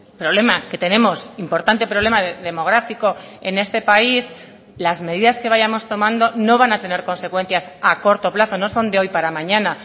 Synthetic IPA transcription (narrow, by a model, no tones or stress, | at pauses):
pɾo̞β̞le̞make̞t̪e̞nẽ̞mo̞simpo̞ɾt̪ant̪e̞pɾoβle̞maðeðe̞mo̞ɣ̞ɾafiko̞e̞ne̞st̪e̞pais | lazme̞ðiðaske̞β̞aʝamo̞st̪o̞mãnd̪o̞no̞βanat̪e̞ne̞ɾko̞nse̞kwe̞n̟θjasako̞ɾt̪o̞plaθo̞no̞so̞nd̪e̞o̞jpaɾamãɲãna